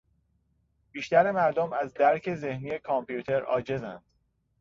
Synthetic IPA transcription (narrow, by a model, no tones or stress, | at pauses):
b̥iːʃt̪æɾe̞mæɾd̪omæzd̪æɾcʰe̞ze̞hniːje̞kʰɒmpʰjuːt̪ʰe̞ɾɒ̰ːd͡ʒe̞zænd̪̥